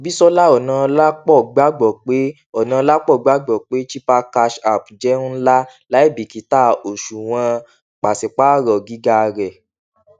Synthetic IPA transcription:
bi˦sɔ˦la˦ɔ˨nã˨˧la˦k͡pɔ˦˨ɡ͡ba˨˦ɡ͡bɔ˨k͡pe˦ | ɔ˨nã˧˦la˦k͡pɔ˦˨ɡ͡ba˨˦ɡ͡bɔ˨k͡pe˨˦t͡ʃi˦pa˧ka˧ʃa˨pd͡ʒɛ˦nũ˦la˦la˦i˦˨bi˨ki˨˦ta˦˨o˨ʃu˨w̃ã˧ | k͡pa˨se˨k͡pa˦˨ɾɔ˨ɡi˨˦ɡa˧ɾɛ˨

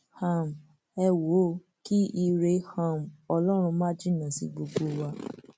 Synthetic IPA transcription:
ha˧˨m˨ | ɛ˧wo˨˦˨ | ki˦i˧ɾe˧hã˦˨m˨ɔ˧lɔ˦ɾ̃ũ˧mã˦d͡ʒi˦˨nã˨sḭ˧ɡ͡bo˧ɡ͡bo˦wa˧

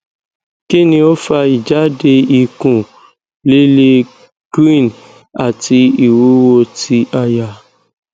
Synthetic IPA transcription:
ki˦nĩ˦o˦fa˧i˨d͡ʒa˦de˧i˦kũ˨ | le˦le˧ | ɡ̥ɾi˦˨n | a˨ti˧i˨wu˦wo˧ti˧ʔa˧ja˧

